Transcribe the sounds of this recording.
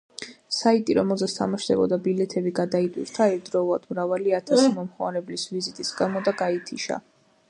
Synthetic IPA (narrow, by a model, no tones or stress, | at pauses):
sait̪ʼiɾɔmɛlˠzɛst̪ʰa̰maʃd̪ɛbɔ̰d̪abilɛt̪ʰɛbiɡad̪ait̪ʼwḭɾt̪ʰaɛɾd̪ɾɔulˠad̪mɾavaliat̪ʰasimɔmχwa̰ɾɛblisvizit̪ʼisɡamɔd̪aɡait̪ʰiʃa̰